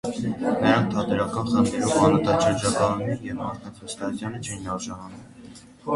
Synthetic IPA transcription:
nəɾɑŋk̚t̪ʰɑd̪ɛɾɑkɑnχənt̪ʰɛɾumɑnɑt̪ɑʃəɾd͡ʒɑkɑnnɛɾjɛvmɑɾt̪ʰɑt͡sʰəst̪ɑut͡sʰjɑnət͡ʃʰɛjinɑɾʒɑnɑnum

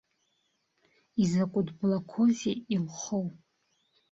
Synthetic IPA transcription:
izakʷʼʊdblakʷʰozeilχow

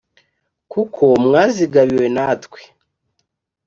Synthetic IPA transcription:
kukʰo̞mŋaːziɡaβiwe̞natkwe̥

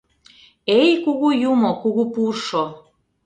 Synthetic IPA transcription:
ejkuɣujumokuɣupurʃo

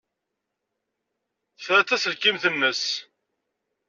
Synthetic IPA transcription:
θɾæθæsəlkːimθənːəs

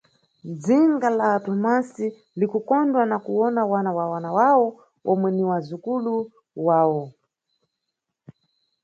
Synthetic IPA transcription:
d͡ziŋɡalaːtɔmasi | likukɔndwanakuwɔnawanawawanawawɔ | ɔmwɛniwazukulu | waːwɔ

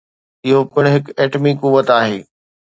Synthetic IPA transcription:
ɪɦopɪɽ̃ɦɪkeːʈmikuʋət̪aːɦeː

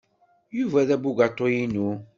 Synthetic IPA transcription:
juvæðæbuɡat̪ˤːojinu

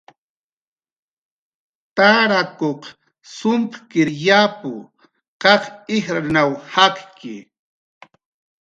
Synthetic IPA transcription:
t̪aɾakoq | sʊmpkɪɾjapʊ̰ | qɑχɪxɾanawhaqkɪ̰

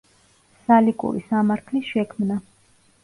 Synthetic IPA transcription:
salikʼṵɾḭsamaɾt̪ʰlisʃɛkʰmna

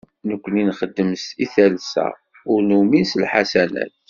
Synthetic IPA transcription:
nəkʷːəninχəd̪ːəmsiθælsæ̰ | ʊɾnumislħasænæ̰t̪

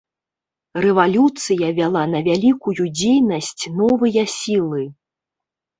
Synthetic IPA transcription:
rɛvalʲut̪sɨjɐvʲalˠanɐvʲalʲikujud͡zʲejnɐsʲt͡sʲnɔvɨjɐsʲilˠɨ

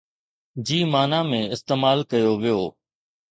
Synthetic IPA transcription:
d͡ʑiːmaːnaːmẽɪst̪eːmaːlkɐjoʋijoː

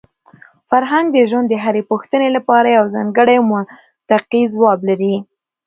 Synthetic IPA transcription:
faɾɦaŋɡd̪əʒwand̪ːəɦaɾepuxt̪ənelapɑɾajawzɑŋɡəɽajmʊ | t̪aqizwɑblaɾi

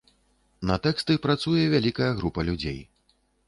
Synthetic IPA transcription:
nɐt̪ɛkst̪ɨpɾat̪sujɛvʲalʲikɐjɐɣɾupɐlʲud͡zʲḛj

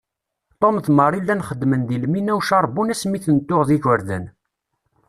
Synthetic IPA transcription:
t̪ˤomθməɾˤilːænχəd̪ːmənðilminæwʃɑɾˤbːunæsmiθənt̪ːoʁðiʝəɾðə̰n

